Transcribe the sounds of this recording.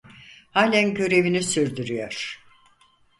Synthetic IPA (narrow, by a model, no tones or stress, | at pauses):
haːlʲænɟø̞ɾe̞vinisyɾd̪yɾyjɔɾ̥